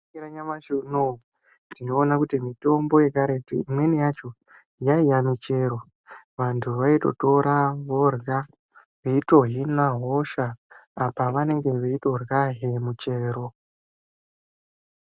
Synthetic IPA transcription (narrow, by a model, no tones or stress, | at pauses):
iɾaɲamaʃuno | dino̞ːnakutimito̞mbo̞je̞kaɾetḭimwe̞nejat͡ʃo̞ | jaijamit͡ʃe̞ɾo̞ | ʋantʰuʋaito̞̰to̞ɾaʋo̞rɣa | ʋeito̞ɦinaɦo̞ʃaːpaʋane̞ŋɡe̞ʋe̞ito̞rɣaɦemut͡ʃe̞ːɾo̞